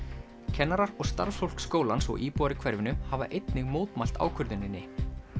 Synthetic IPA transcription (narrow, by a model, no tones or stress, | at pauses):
cʰɛnːaɾaɾɔɣst̪a̰ɾffowl̥kskoːwlansɔ̰ɣiːpuaɾɪkʰvɛɾvɪnʏhava̰ʔejt̪nɪɣmoːwt̪majl̥t̪a̰ːwkʰʏɾðɪnːɪnːɪ